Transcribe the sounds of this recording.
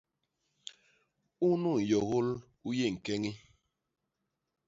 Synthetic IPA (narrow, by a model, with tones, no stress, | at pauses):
u˦nu˦˨ŋ̩˨jɔ˨ɣo˦l | u˦je˦˨ŋ̩˨kɛ˦ŋi˦